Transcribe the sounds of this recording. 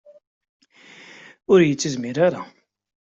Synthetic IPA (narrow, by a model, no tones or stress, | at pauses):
ʊɾjət͡sːəzmiɾaɾa̰